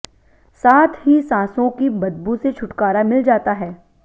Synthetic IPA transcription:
saːt̪ʰɦisãːsõkibɐd̪̚buset͡ʃʰʊʈkaːɾamɪld͡ʒaːt̪aɦɛː

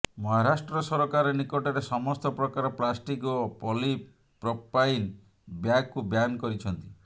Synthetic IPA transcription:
mɔɦaɾasʈɾɔsɔɾɔkaɾɔnikɔʈɔɾesɔmɔst̪ɔpɾɔkaɾɔplasʈikɔpɔli | pɾɔpain | bjaɡkubjankɔɾit͡ʃʰɔnt̪i̥

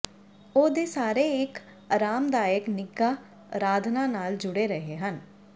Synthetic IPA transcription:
oːd̪eːsaːɾeːɪk | əɾaːmd̪aːɪknɪɡaː | ɾaːd̪ʱnãːnaːld͡ʒʊɽeːɾəɦeːɦən

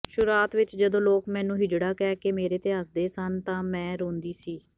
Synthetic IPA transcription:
ʃʊɾaːt̪ʋɪt͡ʃd͡ʒəd̪õːloːkmɛ̃ːnũːɦɪd͡ʒɽaːkɛːkemeːɾeːt̪eːɦəsd̪eːsənt̪ãːmɛ̃ːɾõːnd̪iːsiː

